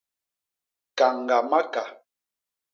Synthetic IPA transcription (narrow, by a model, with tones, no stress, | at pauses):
ka˨ŋɡa˨ma˦ka˨